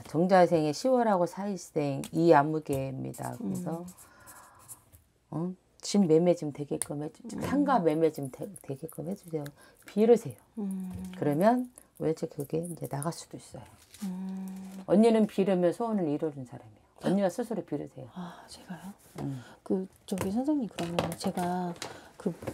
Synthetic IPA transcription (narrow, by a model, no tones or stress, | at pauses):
t͡ɕʌŋd͡ʑasʰe̞ŋeɕʰiwʌɾɦaɡosʰais͈e̞ŋiamuɡe̞mɲḭda̰kɯɾesʰʌ | ʌ | t͡ɕimːe̞me̞d͡ʑimteɡek͈ɯmhed͡ʑutʰaŋɡame̞med͡ʑimʰte̞ɡek͈ɯmɦhe̞d͡ʑusʰe̞jo | piɾɯsʰe̞jokɯɾʌmjʌn | ujʌnt͡ɕʰekɯɡe̞ind͡ʑe̞naɣas͈u̥d̥ois͈ʌjo | ʌɲːenɯnpiɾɯmjʌnsʰʌonɯniɾʌd͡ʑunsʰaɾamijoʌɲːewasʰusʰuɾɯpiɾɯsʰe̞joat͡ɕe̥ɡ̥ajo | ɯmkɯ | t͡ɕʌɡisʰʌnsʰaŋikɯɾʌmjʌnt͡ɕe̞ɡakɯ